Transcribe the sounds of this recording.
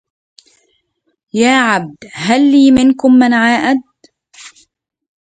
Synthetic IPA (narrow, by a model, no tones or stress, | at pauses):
jaːʕab̚d̪ɦalːiːmɪnkʊmːanʕaːʔad̪̚